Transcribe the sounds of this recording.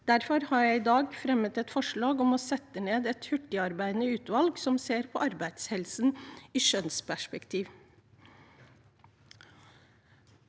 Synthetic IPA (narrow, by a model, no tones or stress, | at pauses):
d̪̥æɾfɔɾhɑːɾjæɪɪːd̪ɑːɡfɾɛmət̪ɛt̪fɔʂɭɑːɡɔmɔːsɛt̪ːəneːd̪ɛt̪hʉʈɪɑɾbæɪd̪nəʉːt̪ʋɑlɡsɔmseːɾpʰɔːʔɑɾbæɪd̪shɛlsniːʃœnspʰæʂpɛkt̪ʰiːʋ